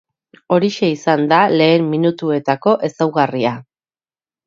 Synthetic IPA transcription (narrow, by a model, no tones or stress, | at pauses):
o̞ɾiʃe̞isand̪ale̞ːmːinut̪ue̞t̪ako̞ʔe̞sawɣaria